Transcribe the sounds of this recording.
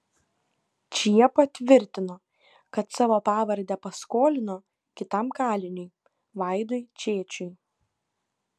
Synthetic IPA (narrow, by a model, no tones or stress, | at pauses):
t͡ʃʲiɛpɐt̪ʲʋʲɪɾʲt̪ʲɪnoː | kɐt̪sɑːʋoːpɑːʋɐɾʲd̪ʲɛpɐskoːlʲɪnoː | kʲɪt̪ɐmkɑːlʲɪnʲʊɪ | ʋɑɪd̪ɔɪt͡ʃʲeːt͡ʃʲʊɪ